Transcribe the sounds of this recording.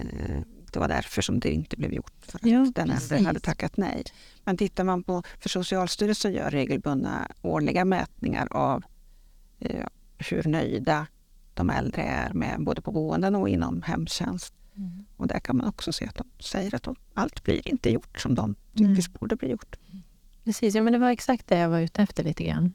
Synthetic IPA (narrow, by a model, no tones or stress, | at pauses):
d̪̥ɛvaɖæɾfœʂɔmd̪ɛɪnt̪əblɛ̰ːvjʊʈːfœɾat̪d̪ɛnɛ̰ld̪ɾəhad̪ːət̪ʰakːat̪nɛj | mɛnt̪ʰɪt̪ːaɾmanpʰɔfœʂʊsɪɑːlst̪yːɾəlsəjœ̰ːɾːeːɡəlbɵnːa̰oːɭɪɡamɛːt̪̚nɪŋa̰ɾav | hɵɾɳœjd̪a | d̪̥ɔmɛld̪ɾəæɾmɛ̰boːd̪əpʰɔbuːənd̪ənɔɪnːɔmhɛmːɕɛnst̪ | ɔd̪æɾkʰanmanɔksɔseːat̪̚d̪ɔmsɛjːəɾat̪̚d̪ɔmalt̪blḭːɾɪnt̪əjʊʈːʂɔmd̪ɔmt̪ʰʏkːəʂbuːɖəbliːjʊʈː | pʰɾɛsiːs̬juːmɛnd̪ɛvaɾɛksak̚t̪̚d̪ɛjavaɾʉ̟ːt̪əɛft̪əɭiːt̪əɡɾa̰nː